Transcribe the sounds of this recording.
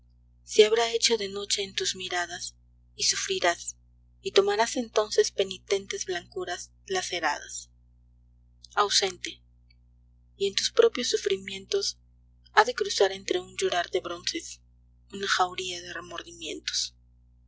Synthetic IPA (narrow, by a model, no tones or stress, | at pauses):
siaβɾae̞t͡ʃo̞ðe̞no̞t͡ʃe̞ːnt̪uzmiɾaðas | isufɾiɾas | it̪o̞maɾase̞nt̪o̞nse̞spe̞nit̪e̞nt̪e̞zβlaŋkuɾaz | lase̞ɾa̰ðas | awse̞nt̪e̞ | ie̞nt̪uspɾo̞pjo̞sːufɾimjẽ̞nt̪o̞s | aðe̞kɾusaɾe̞nt̪ɾe̞und͡ʒuɾaɾðe̞βɾo̞nse̞s | unaxawɾiaðe̞re̞mo̞ɾðimjẽ̞̰nt̪o̥s